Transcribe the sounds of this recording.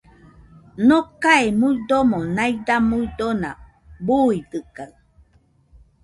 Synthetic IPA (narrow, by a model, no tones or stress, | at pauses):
nokaemuid̪omonajdamuidona̰ | buid̪ɨkaw